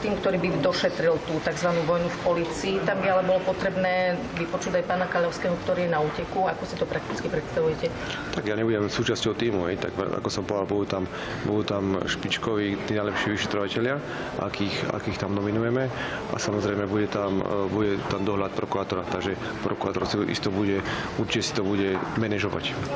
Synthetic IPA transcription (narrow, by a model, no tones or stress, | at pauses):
t̪iːmkt̪ɔɾiːbid̪ɔʃɛt̪ɾilt̪uːt̪aɡzʋanuːʋɔjnufpɔliːt͡siːt̪ambialɛbɔlɔpɔt̪ɾɛbnɛː | ʋipɔt͡ʃuːɟajpaːnakaʎɔʊskɛːɦɔkt̪ɔɾiːjɛnauːcɛkuakɔsit̪ɔpɾak̚t̪it͡skipɾɛt̪st̪aʋujɛcɛ | t̪aɡjaɲɛbuɟɛmsuːt͡ʃascɔʊt̪iːmuɦɛjt̪a̰ɡɛ̰a̰kɔsɔmpɔd̪albud̪uːt̪am | bud̪uːt̪amʃpit͡ʃkɔʋiːt̪iːnajlɛpʃiːʋiʃɛ̥t̪ɾɔʋacɛʎɪa | ʔa̰kixa̰kiːxt̪amnɔminujɛmɛ | a̰samɔzɾɛɪmɛbuɟɛt̪ambuɟɛt̪and̪ɔɦʎat̪̚pɾɔkuɾaːt̪ɔɾat̪aɡʒɛ | pɾɔkuɾaːt̪ɔɾsiʔḭst̪ɔbuɟɛ | uɾt͡ʃicɛsi̥t̪ɔbuɟɛmɛnɛʒɔʋa̰c